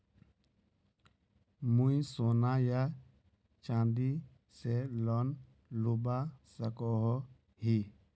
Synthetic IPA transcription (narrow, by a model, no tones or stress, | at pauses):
mũjsoːnaja | t͡ʃãːnd̪i | selɔn | lubasəkɔɦɔ | ɦi